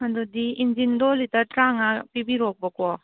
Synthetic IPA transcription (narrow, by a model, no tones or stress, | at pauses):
ɐdudiind͡ʒindɔlitɐtɾaŋapibiɾɔk̚bɐkɔ